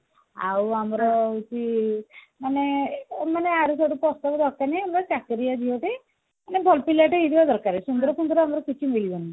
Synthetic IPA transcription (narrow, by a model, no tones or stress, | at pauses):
a̰wamɾɔut͡ʃi | manemaneaɾusɔʈupɔst̪ɔkɔd̪ʱɔɾkaniamɾɔt͡ʃakɾijad̪ʱiɔʈi | anebʱɔlpilaʈeid̪ibad̪ɔɾkaɾisund̪ɔɾɔkund̪ɾɔamɾɔkit͡ʃʰimilibɔni